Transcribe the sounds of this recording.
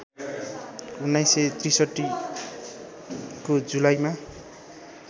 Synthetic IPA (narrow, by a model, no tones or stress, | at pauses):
unːajset̪risʌʈːi | kod͡zulajma